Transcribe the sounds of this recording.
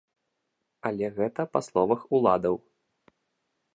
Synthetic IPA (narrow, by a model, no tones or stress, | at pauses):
ɐlʲɛɣɛt̪ɐpɐslˠɔvɐxulˠad̪ɐw